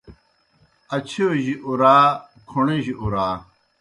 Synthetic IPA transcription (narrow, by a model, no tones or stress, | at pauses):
ɐt͡ɕʰeʑiʔuɾaː | kʰuɳeʑiʔuɾaː